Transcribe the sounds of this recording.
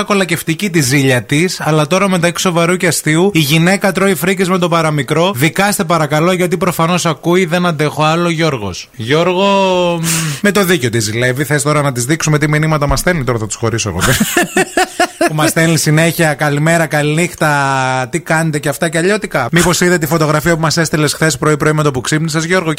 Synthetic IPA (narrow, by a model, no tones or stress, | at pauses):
ɐko̞lɐce̞ft̪icit̪iziʎɐt̪isɐlɐt̪o̞ɾɐme̞t̪ɐci̥so̞vɐɾuceɐst̪iuiʝine̞kɐt̪ɾo̞ifɾicizme̞t̪o̞pɐɾɐmikɾo̞ðikɐst̪epɐɾɐkɐlo̞ʝɐt̪̬ipɾo̞fɐno̞sɐkuiðe̞nɐnd̪e̞xo̞ɐlo̞ʝo̞ɾɣo̞̰s | ʝo̞ɾɣo̞ | me̞t̪o̞ðiceo̞t̪izile̞viθest̪o̞ɾɐnɐt̪izðiksume̞t̪iminimɐt̪ɐmɐsθelit̪o̞ɾɐθɐt̪u̥sxo̞̰ɾisoḛɣot̪e | umɐsθelisine̞çiɐkɐlime̞ɾɐkɐlinixt̪ɐt̪ikɐnet̪eceɐft̪ɐceɐʎo̞t̪ikɐmipo̞siðet̪ifo̞t̪o̞ɣɾɐfiɐpumɐse̞st̪ele̞sxθe̞spɾo̞ipɾo̞imet̪opuksipnisɐzʝo̞ɾɣo